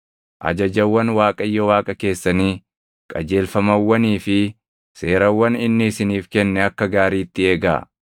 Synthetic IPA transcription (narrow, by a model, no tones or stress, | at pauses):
ʔɐ̰d͡ʒɐd͡ʒɐwːɐnwaːkʼɐɪjːɔwaːkʼɐke̞ːsːɐniː | kʼɐd͡ʒe̞ːlfɐmɐwːɐniːfɪ | se̞ːɾɐwːɐnɪnːɪɪsɪniːfkɛnːɛɐkːɐɡaːɾiːt̪ːɪe̞ːɡa̰ː